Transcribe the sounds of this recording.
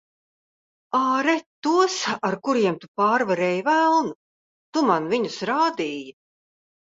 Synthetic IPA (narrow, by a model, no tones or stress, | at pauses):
aːɾɛt̪ːuɔsaɾkuɾiɛmt̪upaːɾvaɾɛːjvælˠnu | t̪umanviɲusɾaːd̪iːja